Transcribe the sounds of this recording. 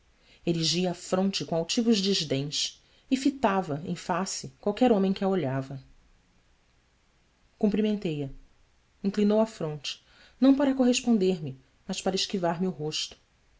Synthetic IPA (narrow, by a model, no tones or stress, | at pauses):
eɾiʒiɐːfɾõnt͡ʃɪkõawt͡ʃivʊʒd͡ʒiʒd̪ẽj̃s | ɪfit̪avɐḛ̃j̃fasɪkwawkɛɾõmẽj̃kɪɐoʎavɐ | kũmpɾimẽnt̪ejɐ | ĩŋklinowɐfɾõnt͡ʃɪ̥ | nɐ̃w̃paɾɐkoɦeʃpõnd̪eɾmɪ | mɐʃpaɾɐɪʃkivaɾmɪʊɦoʃt̪ʊ̥